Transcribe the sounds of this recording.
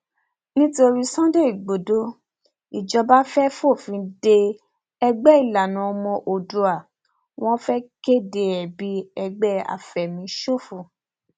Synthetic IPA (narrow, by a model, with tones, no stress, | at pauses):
nĩ˦to˧ɾi˦sã˦de˦i˨ɡ͡bo˨do˨˦ | i˨d͡ʒɔ˧ba˦fɛ˦fo˦˨fĩ˧˦de˧ | ɛ˧ɡ͡bɛ˦i˦˨la˨nũ˨ɔ˧mɔ̃˧ʔo˨do˧a˨ | w̃ɔ̃˦fɛ˦ke˦de˧ɛ˨bi˦ɛ˧ɡ͡bɛ˦a̰˨fɛ˨mĩ˧ʃo˦˨fu˨